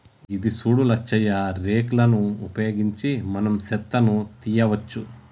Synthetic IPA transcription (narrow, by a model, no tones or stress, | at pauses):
id̪isuːɽulɐt͡ʃːɛjɐɾeːklɐnuupɐjoːɡiɲt͡ʃimɐnɐmsɛt̪ːɐnut̪ijɐʋɐt͡ʃːu